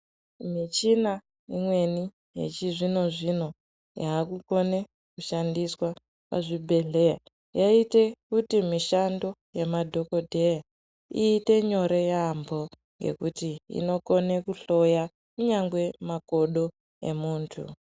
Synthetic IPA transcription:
mit͡ʃina | imwe̞ni | jḛt͡ʃiʐino̞ʐino̞ | jaːkuko̞ne̞ | kuʃandiswa | pa̰ʐibʱe̞ɮe̞ja̰ | jaite̞kutimiʃando̞jemadʱo̞ko̞dʱe̞ja | iːte̞ɲo̞ɾe̞jambo̞ | ŋɡe̞̰kutiḭno̞ko̞ne̞kuɬo̞ja | kuɲaŋɡwe̞mako̞ɗo̞ | e̞̰muːntʰṵ

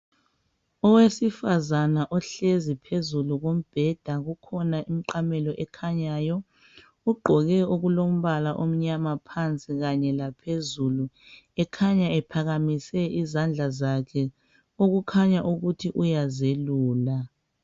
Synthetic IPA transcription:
ɔwesifazanaʔɔɬezipʰezuluɣom̩b̥ʱɛd̥ʱaɣukʰɔnaʔim̩ǃamɛlɔʔɛkʰaɲaːjɔ | uɡ͡ǃʱɔɣɛuɣulom̩βalaʔom̩ɲamapʰant͡sʼiɣaɲɛlapʰezulu | ɛkʰaɲaɛpʰaɣamisɛʔizand͡ɮʱazakʰɛ | oɣukʰaɲaʔuɣutʰiʔujazeluːla

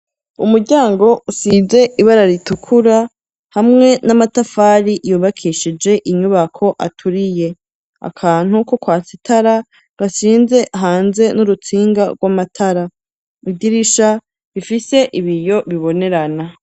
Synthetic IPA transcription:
umuɾɟaːŋɡo̞usiːze̞ʔiβaɾaɾitukʰuɾa | hamŋe̞namatafaːɾijuːβakʰiʃid͡ʒe̞ʔiɲuβakʰo̞ʔa̰tʰuɾije̞ | a̰kʰaːn̥huko̞kwaːt͡sitʰaɾa | βasiːnze̞ʔaɦaːnze̞nuɾut͡siːŋɡaɡwamatʰaɾa | idiɾiʃa | βifise̞ʔiβijo̞βiβo̞ne̞ɾana

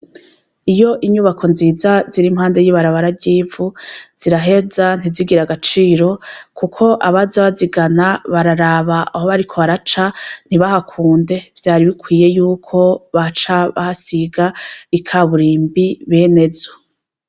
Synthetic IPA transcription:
ijo̞ʔiɲuβakʰonziːzaziɾimhaːnde̞jiβaɾaβaɾabɟiːvuz̥iɾaɦe̞zan̥iziɡiɾaɡat͡ʃiːɾo̞kʰukʰo̞ʔaβazaβaziɡanaβaɾaɾaːβaahoβaɾikʰo̞βaɾat͡ʃan̥iβahakʰuːnde̞vjaːɾiβikʰwiːje̞juːkʰo̞βat͡ʃaβa̰hasiɡaikʰaβuɾiːmbiβe̞ːne̞zo̥

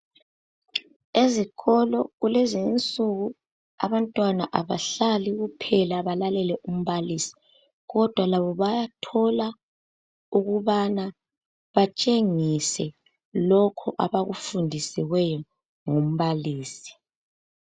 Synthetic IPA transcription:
eziɣɔlɔɣulɛzint͡sʼuɣu | a̰βantʼwanaʔaβaɬaliɣupʰɛlaβalalɛlɛʔum̩βalisi̥ | ɣɔd̥ʱwalaβɔβajatʰɔla | uɣuβana | βat͡ʃʼeŋisɛ | lɔkʰɔʔa̰βaɣufundʱisiɣwɛjɔ | ŋum̩βaliːsi̥

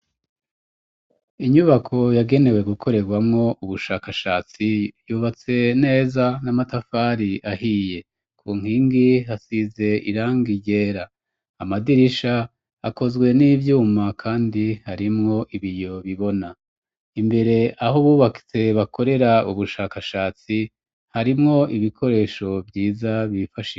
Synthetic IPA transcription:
iɲuβakʰo̞jaɡe̞ne̞we̞ɡukʰo̞ɾe̞ɡwamŋo̞ʔuβuʃaːkaʃaːt͡sijuːβat͡se̞ne̞ːzanamatafaːɾiahije̞ | kʰuːŋ̥hiːŋɡiɦasize̞ḭɾaːŋɡiɟe̞ːɾaː | madiɾiʃaː | ko̞zɡwe̞niːvjuːmakʰaːndihaɾimŋo̞ʔiβijo̞βiβo̞na | imbe̞ɾe̞aho̞βuːβaki̥t͡se̞βakʰo̞ɾe̞ɾauβuʃaːkaʃaːt͡si | haɾimŋo̞ʔiβikʰo̞ɾe̞ːʃo̞vjiːzaβifaʃi

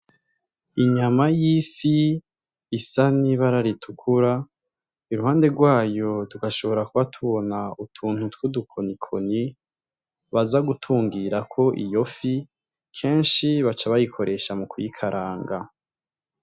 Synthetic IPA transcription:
iɲamajifiː | saniβaɾaɾitʰukʰuɾa | iɾuɦaːnde̞ɡwaːjo̞duɡaʃo̞βo̞ɾakuβatʰuβo̞nautʰuːn̥hutwudukʰo̞nikʰo̞ni | βazaɡutʰuːŋɡiɾakʰo̞ʔḭjo̞fi | kʰe̞ːnʃiβat͡ʃaβajikʰo̞ɾe̞ʃamukujikʰaɾʔaːŋɡa

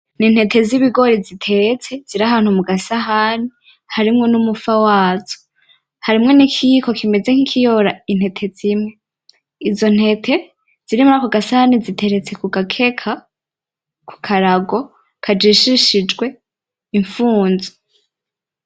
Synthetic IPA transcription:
nin̥he̞tʰe̞ziβiɡo̞ɾizitʰe̞t͡se̞z̥iɾaɦaːn̥humuɡasaɦani | haɾimŋo̞numufawaːzo̥ | haɾimŋe̞nikʰiko̞kime̞d͡ze̞ŋ̥ikʰijoɾain̥he̞tʰe̞z̥imŋe̞ | izo̞n̥he̞tʰe̞ | z̥iɾimuɾakoɡasahanizitʰe̞ɾe̞t͡se̞kuɡakʰe̞kʰa | ku̥kʰaɾaɡo̞ | kʰad͡ʒiʃiʃid͡ʒɡwe̞ | iɱfuːnze̥

